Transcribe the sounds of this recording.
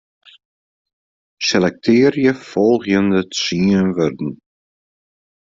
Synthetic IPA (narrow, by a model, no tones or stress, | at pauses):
sɛlɛk̚tʰɪːərjəfɔlˠχjəndəsiənvørdən̩